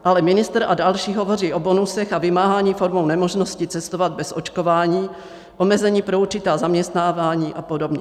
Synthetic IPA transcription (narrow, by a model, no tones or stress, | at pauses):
ʔalɛmɪnɪst̪ɾadalʃiːɦovo̞riːʔo̞bonusɛxavɪmaːɦaːɲiːfoɾmownɛmoʒnoscɪt͡sɛst̪o̞vad̪̚bɛsʔo̞t͡ʃko̞vaːɲiː | ʔo̞mɛzɛɲiːpɾo̞uɾt͡ʃɪt̪aːzamɲɛst̪naːvaːɲiːʔapodobɲɛ